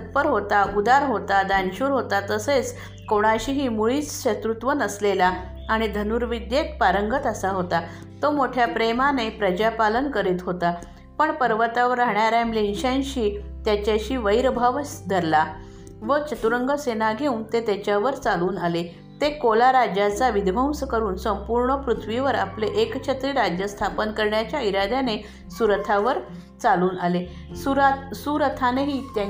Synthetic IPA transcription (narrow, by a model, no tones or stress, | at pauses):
ət̪̚pəɾɦot̪aʔud̪aɾɦot̪ad̪anɕuːɾɦot̪at̪əset͡s | koɽ̃aɕiːɦiːmuɭiːt͡sɕət̪ɾut̪ʋənəslelaː | ɽ̃id̪ʱənuɾʋid̪jekpaɾəŋɡət̪əsaɦot̪a | t̪omoʈʰjapɾemanepɾəd͡ʑapalənkəɾiːt̪ɦot̪a | pəɳpəɾʋət̪aʋəɾːaɦɳjaɾjamlenɕãnɕiːt̪jat͡ɕaɕiːʋəjɾbʱaʋəsd̪ʱəɾla | ʋət͡ɕət̪uɾəŋɡəsenaɡʱeunt̪et̪jat͡ɕjaʋəɾt͡saluːnale | t̪ekolaɾad͡ʑat͡saʋid̪ʱbəw̃səkəɾuːnsəmpuɾɳəpɾut̪ʰʋiʋəɾa̰pleʔekɕʰet̪ɾiːɾad͡ʑjəst̪ʰapənkəɾɳjat͡ɕjaiɾad̪ʱane | suɾət̪ʰaʋəɾ | t͡saluːnale | suɾasuɾət̪ʰanaɦit̪ja